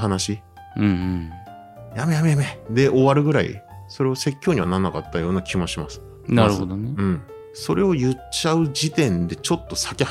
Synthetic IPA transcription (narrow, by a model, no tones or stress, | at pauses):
anaɕi | ɯ̃ | jame̞jame̞jamed̪e̞ʔo̞βaɾɯ̟ɡɯ̟ɾaḭso̞ɾe̞βase̞kʲːo̞ːɲ̟iβananːakat̪ːajo̞ːnakʲʰimoɕimasɨ̥ | naɾɯhod̪oneɯ̟̃ɴ | so̞ɾe̞o̞jɯ̟t͡ɕːaɯ̟d͡ʑit̪ẽ̞nd̪e̞t͡ɕo̞t̪ːo̞sḁkʲe